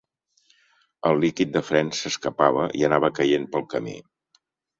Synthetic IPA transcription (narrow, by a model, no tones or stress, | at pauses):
əlˠlikit̪̚d̪əfɾɛnsəskəpaβ̞əʔḭənaβəkəjenpəlˠkəmḭ